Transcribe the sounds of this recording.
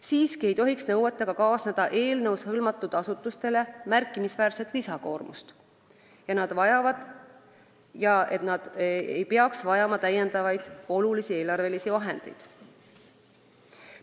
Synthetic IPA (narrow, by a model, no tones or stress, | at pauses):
siːskie̞jt̪o̞ɦiksnɤ̞wet̪ːˑɑɡ̥ɑkɑːsned̪̥ɑʔe̞ːlnɤwshɤlmɑt̪ːˑud̪̥ɑsut̪ːˑust̪e̞le̞mærkˑːimisvæːɾset̪ˑlisɑko̞̰ːrmṵst̪ | jɑnɑd̪̥vɑjɑvɑd̪̥ | jɑe̞t̪ˑnɑd̪̥ejpeɑksvɑjɑmɑt̪æje̞nd̪̥ɑvɑjd̪̥o̞lulisie̞ːlɑrve̞lisivɑɦe̞̰nd̪̥e̞̰jd̪̥